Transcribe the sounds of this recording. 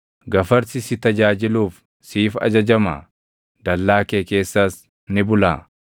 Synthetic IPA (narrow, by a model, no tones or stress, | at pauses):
ɡɐfɐɾsɪsɪt̪ɐd͡ʒaːd͡ʒɪluːf | siːfɐ̰d͡ʒɐd͡ʒɐma̰ | d̪ɐlːaːkeːke̞ːsːaːs | nɪbʊlaː